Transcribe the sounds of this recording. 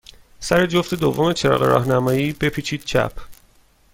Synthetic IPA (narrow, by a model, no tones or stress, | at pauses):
sæɾe̞d͡ʒoft̪e̞d̪ovːome̞t͡ʃʰe̞ɾɒ̰ːɣe̞̰ɾɒ̰ːhnæmɒːjiːbe̞pʰiːt͡ʃʰiːd̪̥̚t͡ʃʰæ̰pʰ